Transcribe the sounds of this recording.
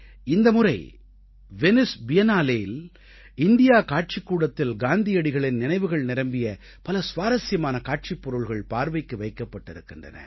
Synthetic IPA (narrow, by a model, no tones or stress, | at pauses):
ɪnd̪ɐmʊrɐɪ | ʋɛnɪsbɪjɐnaːleːjɪl | ɪnd̪ɪjaːkaːʈ̚t͡ʃɪkːuːɽɐt̪ːɪlɡaːnd̪ɪjɐɽɪɣɐɭɪnnɪnɐɪʋɯɣɐɭnɪɾɐmbɪjɐ | pɐlɐsʋaːɾɐsɪjɐmaːnɐkaːʈ̚t͡ʃipːɔɾɯɭɣɐɭpaːɾʋɐɪkːɯʋɐɪkːɐpːɐʈːɪɾɯkːɪndrɐ̰nɐ̰